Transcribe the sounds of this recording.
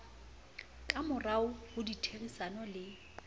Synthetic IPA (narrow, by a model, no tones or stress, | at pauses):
kʼamʊraʊʊditʰerisanɔlɪ